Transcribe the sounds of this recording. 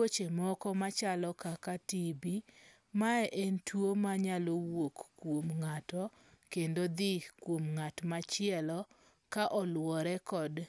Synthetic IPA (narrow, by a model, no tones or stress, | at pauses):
ot͡ʃemɔkɔmat͡ʃalɔkakatibi | maɛʔentwomaɲalowokːwomŋatɔ | kendod̪ɪkwomŋatmat͡ʃɪɛlɔ | kaʔɔlwɔɾɛkɔd